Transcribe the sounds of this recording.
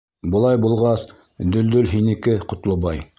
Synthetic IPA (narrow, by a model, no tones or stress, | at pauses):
bɤ̆lˠɑjbulˠʁɑs | d̪ɵ̆ld̪ɵlɦinɘ̆kɘqŏt̪lˠɤ̆βɑj